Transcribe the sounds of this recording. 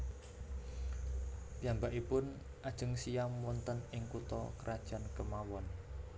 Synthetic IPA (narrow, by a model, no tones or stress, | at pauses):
piambaʔipʊn | ʔad̥ʒ̥ə̤ŋsijaːɔnt̪ənɪŋkut̪ɔkəɾʔad̥ʒ̥a̤nkəmawɔn